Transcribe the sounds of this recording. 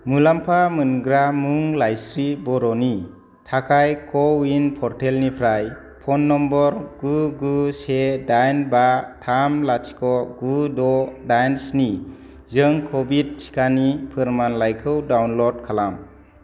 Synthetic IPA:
mulampʰamɯnɡɾamuŋlajsɾibɔɾɔni | tʰakʰajkʰɔwinpʰɔɾtʰelnipʰɾaj | pʰɔnːɔmbɔɾɡuɡusedajnbatʰamlat͡ʃi̥kʰɔɡudɔdajnsni | zɯŋkʰɔbid̚sʰi̥kʰanipʰɯɾmanlajkʰɯwdawnlɔd̚kʰalam

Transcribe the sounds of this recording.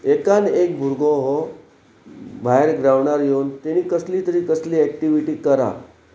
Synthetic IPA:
ekanek̚bʱuɾɡõɦo | bʱaeɾɡɾaʋɳaɾjewnt̪eñiːkəsliːt̪əɾiːkəsliːɛkʈiʋiʈiːkəɾa̰

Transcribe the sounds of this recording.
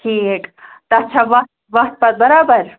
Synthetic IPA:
ʈʰiːkt̪ɐɐtːʃʰaːʋɐt̪̚ʋɐht̪̚pɐt̪̚bɐɾaːbəɾ

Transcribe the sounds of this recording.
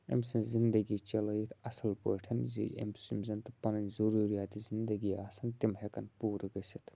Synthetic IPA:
ḛmsĩnzind̪ɐɡit͡ʃɐlɐjit̪ʰɐsɐlpoːʈʰɐnzḭʔḛmsimzɐnt̪ɐpɐnɐnzɐɾuːɾijaːt̪izind̪ɐɡiːaːsɐnt̪imɦekɐnpuːɾɡɐsɐt̪ʰ

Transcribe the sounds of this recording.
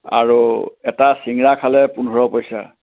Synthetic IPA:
a̰ɹuɛtasiŋɹakʰalɛpunɔɹɔpɔjsa̰

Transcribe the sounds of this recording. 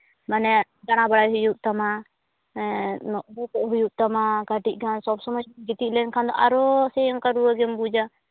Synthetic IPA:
manɛ | d̪aɽ̃abaɽajɦujuʔt̪ama | nɔʔbɔkɔʔɦujuʔ̚t̪amaɡaʈiʔ̚ˀɡansɔbsɔmɔd͡ʒɡit̪iʔlɛnkʰand̪ɔʔaɾɔsɛjɔŋkaɾuaɡɛmbud͡ʒa

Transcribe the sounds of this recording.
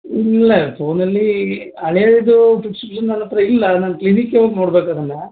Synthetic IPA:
ilːɐpʰo̞ːnɐlːi | ɐɭɛjaːd̪id̪uʈuksipʂɐnːɐnːɐt̪ɾɐilːɐnaːnklinikːeʋoːɡnoːɽbeːkad̪ɐnːe

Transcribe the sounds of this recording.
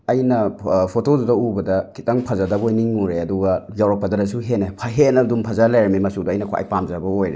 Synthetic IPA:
ɐjnɐpʰotodudɐubɐdɐkʰitaŋpʰɐzadɐbojniŋuɾeɐduɡɐjawɾak̚pːɐdɐɾɐsuɦenapʰaɦenɐdumpʰazalajɾmimɐsudɐːjnɐkʰa̰jpamzabɐojɾḛ

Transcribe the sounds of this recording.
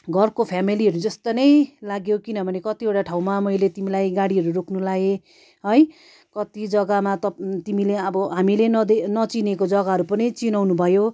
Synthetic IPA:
ɡʱʌrkopʰjamiliʌɾud͡zʌst̪onʌjlaɡjokinʌbʱʌnekʌt̪ieʈaʈʰaw̃mamʌjlet̪imilajɡaɽiɦʌɾuɾokʰnulae | ɦʌj | kʌt̪id͡zʌɡamat̪ʌt̪imileʌbʌɦamilenʌd̪enʌt͡sinekod͡zʌɡaɦʌɾupʌnijt͡sinawnubʱʌjo

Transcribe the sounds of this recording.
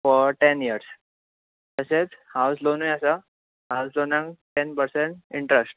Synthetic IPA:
fɔɾʈeniəɾs | t̪əset͡shawslonujasa | hawslonãŋʈenpəɾsẽɳʈiɳʈɾesʈ̚

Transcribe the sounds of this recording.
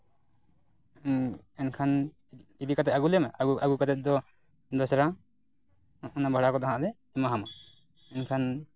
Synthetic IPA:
ɛnkʰan | id̪ikat̪ɛt̪aɡulɛmaauaɡukat̪ɛt̪̚d̪ɔ | d̪ɔsɾa | ɔnabʱaɽakɔd̪ɔɦãʔd̪ɛ | ɛmaɦama | ɛnkʰan

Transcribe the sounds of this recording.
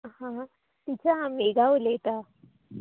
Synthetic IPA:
hã | t̪it͡ɕaameɡaɦolet̪a

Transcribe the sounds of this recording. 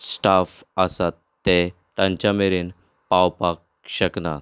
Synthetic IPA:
sʈafəsat̪ːe | t̪ãɲt͡ɕameɾiːn | pawpak̚ | ɕəkna̰

